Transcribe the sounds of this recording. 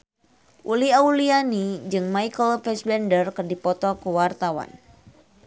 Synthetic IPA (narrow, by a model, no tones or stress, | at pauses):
ʔuliaulianid͡ʒɨŋmajkəlfɛsbɛndərkɨrdipɔt̪ɔkəwart̪awa̰n